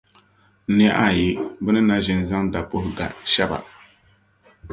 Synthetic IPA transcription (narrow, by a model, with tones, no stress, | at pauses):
n˦a˦ʔa˦˨jɪ˦bɨ˦nɨ˦na˦ʒɪ˦nza˦ŋda˨po˦hʊ˦ɡa̰˨ʃɛ˦ba̰˨